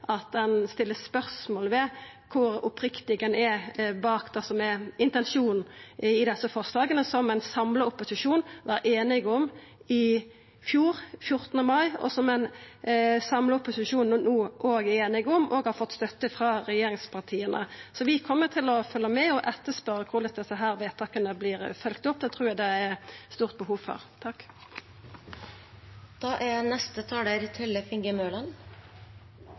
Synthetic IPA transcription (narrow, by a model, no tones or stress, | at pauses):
ʔɑt̪̚d̪ɛnst̪ɪlːəspœɾsmoːlʋɛ | kʰʊɾʊpɾɪkt̪ɪɡɛnɛɾbɑːkd̪ɛsɔmɛɪnt̪ɛnʂuːnɪd̪ɛsəfɔʁslɑːɡənəsɔmɛɪnsɑmləʊpːʊsɪʂuːnʋɑɾʔeːnɪɡɔm | ɪ | fjuːɾfjʊɾt̪ənəmɑɪɔ̰sɔmɛɪn | sɑmləʊpʊsɪʃuːnːuːʔoːɡeːnɪɡɔmʔoːɡhɑɾfɔt̪ːst̪œt̪ːəfɾɑːʁɛjeːɾɪŋspʰɑʁt̪ʰiːənə̰sɔʋɪkʰɔmːət̪ʰɪlɔfœlːəmɛɔʔɛt̪ːəspœɾəkʰʊʁlɛt̪d̪ɛsəɦæːɾʋeːt̪ʰɑkənəblɪːʁfœlkt̪ɔp̚ːd̪ɛt̪ʰʁuːɾjæɪd̪ɛæʁst̪uːʁt̪̚bəhuːfɔ̰ʁt̪ʰɑk | d̪̥ɑːʔænɛst̪ət̪ʰɑːd̪æɾt̪ʰɪlfɪŋɡəmøːlɑn